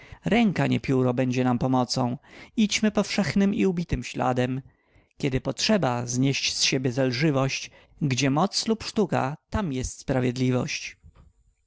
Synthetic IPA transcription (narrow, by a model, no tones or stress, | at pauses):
ɾɛŋkaɲɛ̰pʲjuɾɔbɛɲd͡ʑɛnampɔmɔt̪sɔ̃w̃it͡ɕmɘpɔfʂɛxnɘmiubʲit̪ɘmɕla̰d̪ɛm | kʲɛd̪ɘpɔtʂɛbazɲeɕt͡ɕsɕebʲjɛzalʐɘvɔɕt͡ɕ | ɡd͡ʑɛmɔt̪slupʂt̪uka̰t̪amjɛst̪spɾavʲjɛd̪lʲivɔ̰ɕt͡ɕ